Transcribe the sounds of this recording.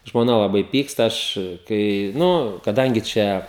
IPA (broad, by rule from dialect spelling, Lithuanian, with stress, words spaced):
ʒmoːˈnɐ lˠɐˈbɐɪ ˈpʲiːkstɐ ˈɐʃ kɐɪ ˈnʊ kɐˈdɐŋʲɡʲɪ ˈt͡ʃʲɛ